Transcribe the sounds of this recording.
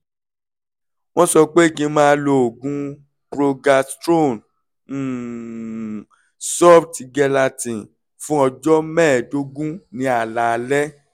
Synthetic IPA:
w̃ɔ̃˦sɔ˧k͡pe˦i˦˨kĩ˧˦mãː˦˧˦lo˧˨o˨ɡũ˦ | kɾo˧ɡa˧stɾo˦˨n̩˦˨ | sɔ˦˨pti˧ɡɛ˧la˧tĩ˨ | fũ˦ɔ˧d͡ʒɔ˦mɛ̃ː˦˨do˦ɡũ˦nĩ˨˦a˨la˨lɛ˦

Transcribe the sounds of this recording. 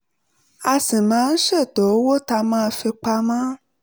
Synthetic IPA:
a˧sĩ˨mã˦ŋ̩˦ʃe˦˨t̪o˨˦wo˦t̪a˧mã˦˨fe˧k͡pa˧mã˦

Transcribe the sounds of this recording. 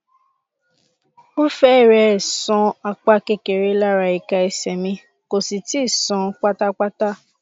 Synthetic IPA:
o˦fɛ˦˨ɾɛ˨˧˨sɔ̃˧a˧k͡pa˧ke˧ke˨ɾe˧˦la˦ɾa˧i˨ka˧i˧sɛ˨mĩ˧ | ko˨si˨ti˦˨sɔ̃˧˦k͡pa˦ta˦k͡pa˦ta˦˨

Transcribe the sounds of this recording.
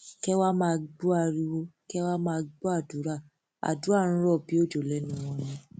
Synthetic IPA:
kɛ˦wa˦mãː˦˧ɡ͡bu˦a˧ɾi˧wo˧kɛ˦wa˦mãː˦˧ɡ͡bu˦a˦˨du˨˦ɾa˦˨ | a̰˨du˨˦a˦˨ɾ̩̃˧˦ɾɔ˦˨bi˨˦o˦˨d͡ʒo˨lɛ˨˦nũ˦w̃ɔ̃˧˦nũ˧

